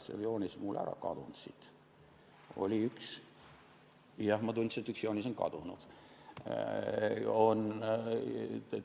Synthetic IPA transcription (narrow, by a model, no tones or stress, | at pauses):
sḛljo̞ːnʲismulːæ̰ɾɑ̰kɑ̰d̪̥und̪̥sit̪ | o̞̰lʲiyks | jɑhmɑt̪unʲt̪set̪yksjo̞ːnʲisonkɑ̰d̪̥unṵd̪̥ | on